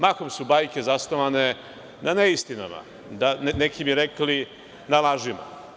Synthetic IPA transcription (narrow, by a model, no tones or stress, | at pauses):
makomsubaːjkezast̪oʋane̞ | nʔaneist̪ina̰ma̰ | d̪annekʰibiɾekli | nalaʒima̰